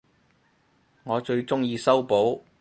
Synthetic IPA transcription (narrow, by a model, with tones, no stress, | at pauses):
ŋɔː˨˧t͡ʃɵ˧ɥt͡sʊ˥ŋjiː˧sɐ˥wpo˨˥w